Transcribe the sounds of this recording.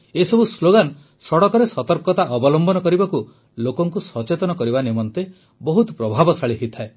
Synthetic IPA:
esɔbusloɡan | sɔɽɔkɔɾesɔt̪ɔɾkɔt̪aʔɔbɔlɔmbɔnɔkɔɾibaku | lokɔŋkusɔt͡ʃet̪ɔnɔkɔɾibanimɔnt̪e | bɔɦut̪ɔpɾɔbʱabɔsaɭiɦit̪ʰae

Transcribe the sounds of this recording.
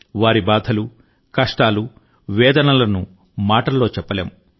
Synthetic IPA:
ʋaːɾibaːd̪ʱɐlu | kɐʂʈaːlu | ʋɛːd̪ɐnɐlɐnu | maːʈɐlːo̞ːt͡ʃɛpːɐleːm

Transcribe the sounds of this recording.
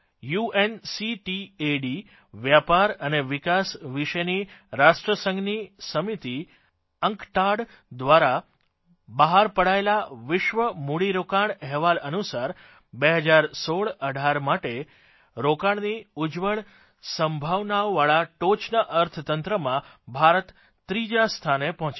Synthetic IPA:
juensiʈieɖi | ʋjapaɾəneʋɪkasʋiʃəniɾaʃʈɾəsə̃ŋɡnisəmit̪i | əŋkʈaɽ | d̪ʋaɾa | bəɦaɾpəɽaelaʋɪʃʋəmuɽiɾokaɳɛɦʋalənusaɾ | beɦəd͡ʒaɾsoɭəɖʱaɾmaʈe | ɾokaɳniud͡ʒʋəɭ | səmbʱaʋnaʋːaɭaʈot͡ʃnəʔəɾt̪ʰət̪ənt̪ɾəmã | bʱaɾət̪ː | ɾid͡ʒast̪ʰanepɔɦɔ̃t͡ʃ

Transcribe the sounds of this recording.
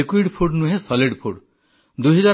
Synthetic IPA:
ekwiɖpʰuɖnuɦẽsɔliɖpʰuɖ | d̪uɦɔd͡ʒa

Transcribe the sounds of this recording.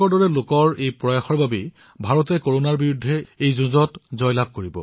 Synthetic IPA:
ɔɹdɔɹɛlokɔɹejpɹɔjaxɔɹbabe | bʱaɹɔtɛkoɹonaɹbiɹudʱːɛejzʊzɔtzɔjlab̚ʱkoɹibɔ̰

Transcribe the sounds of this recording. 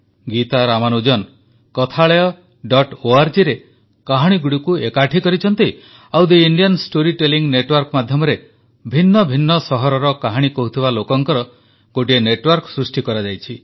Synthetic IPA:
ɡit̪aɾamanud͡ʒɔn | kɔt̪ʰaɭejɔ | ɖɔʈoaɾd͡ʒiɾe | kaɦaɽ̃iɡuɽikuekaʈʰikɔɾit͡ʃʰɔnt̪i | awd̪eiɳɖijɔnsʈoɾiʈeliŋneʈwɔɾkmad̪ʱjɔmɔɾe | bʱinːɔbʱinːɔsɔɦɔɾɔɾɔkaɦaɽ̃ikɔɦut̪ʰibalokɔŋkɔɾɔ | ɡ̥oʈieneʈwɔɾksɾusʈikɔɾad͡ʒajt͡ʃʰi

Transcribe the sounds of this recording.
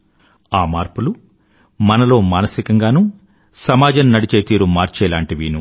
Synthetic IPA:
aːmaːɾpulu | mɐnɐlo̞ːmaːnɐsikɐŋɡaːnuː | sɐmaːd͡ʒɐnnɐɽit͡ʃe̞ːt̪iːɾumaːɾt͡ʃɛːlaːɳʈiʋiːnu

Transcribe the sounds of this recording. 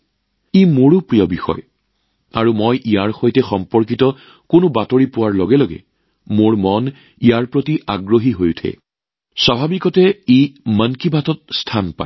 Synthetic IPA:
imoɹupɹiɔbixɔ̰j | aɹumojʔijaɹxojtɛxɔmpɔɹkitɔ | kʊnʊbatoɹipʊwaɹlɔɡɛloɡɛ̰ | moɹmɔn | ijaɹpɹotiʔaɡɹoɦiɦojtʰɛ̰ | swabʱabikɔtɛimankibʱatɔt̚stʰanpa̰

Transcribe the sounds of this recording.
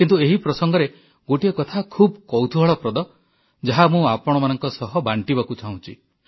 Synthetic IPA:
kint̪ueɦipɾɔsɔŋɡɔɾe | ɡoʈiekɔt̪ʰakʰubkɔwt̪ʰubʱaɭɔpɾɔd̪ɔ | d͡ʒaɦamũapɔɽ̃ɔmanɔŋkɔsɔɦɔbaɳʈibakut͡ʃʰaw̃t͡ʃʰḭ

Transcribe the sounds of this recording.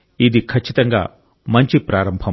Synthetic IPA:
id̪ikʰɐt͡ʃʰːit̪ɐŋɡa̰ː | mɐɲt͡ʃipɾaːɾɐmbʱɐ

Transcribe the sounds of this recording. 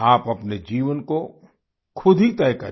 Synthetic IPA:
aːpɐpned͡ʒiːʋənko | kʰʊd̪ʱit̪ɛːkɐɾ

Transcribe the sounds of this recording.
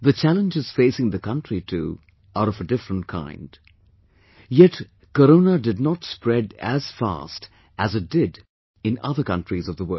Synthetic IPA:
ðɨt͡ʃʰælˠə̃nd͡ʒɨz̥feɪsɪ̃ŋðɨkʰʌ̃ntɹ̥itʰṵ | ʔaɾʌvədɪfɹə̃nt̚kʰã̰ɪ̃nd̥ | jɛt | kəɾõʊnədɨdⁿnətspɹɛdæ̰z̥fæ̰st | ʔɨzɨt̚d̥ɪd | ɨ̃nʌ̰ðə˞kʰʌ̰̃ntɹ̥izʌvðəwɜ˞

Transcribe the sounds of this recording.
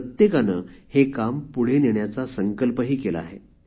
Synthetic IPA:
ət̪jekanəːhekampuɽ̤eneɳjat͡sasəŋkəlpəɦiːkela̰ːɦe

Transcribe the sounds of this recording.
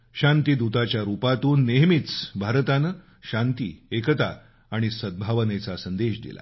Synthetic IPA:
ɕãnt̪id̪ut̪at͡ɕjaɾupat̪uːnːeɦmit͡sbʱaɾt̪anə | ɕãnt̪iːekət̪aː | ɽ̃isəd̪̚bʱaʋənet͡sasənd̪eɕd̪ḭla̰

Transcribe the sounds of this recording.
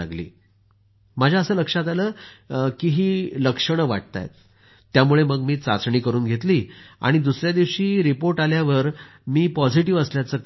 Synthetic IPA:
aɡlḭː | mad͡ʑʱjaəsəːləkʂat̪aləːkiɦiːləkʂəɽ̃əʋa̰ʈ̚t̪a̰j̰t̪ː | jamuɭeməɡmiːt͡sat͡sɳiːkəɾuːnɡʱet̪liːa̰ɽ̃id̪usɾjad̪iʋɕiːɾipoɾʈaljaʋəɾ | miːpɔd͡ʑiʈiʋəsljat͡səːk

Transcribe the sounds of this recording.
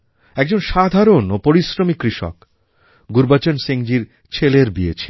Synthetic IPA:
ɛɡ̚d͡ʑonʃad̪ʱaɾonopoɾisɾomikːɾiʃo̰k | ɡuɾbat͡ɕonseŋd͡ʑiɾ | t͡ɕʰeleɾbiet͡ɕʰe̥

